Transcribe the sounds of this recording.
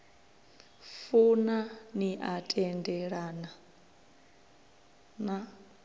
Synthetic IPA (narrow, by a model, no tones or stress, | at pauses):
funaniʔatʼɛndɛɺana | na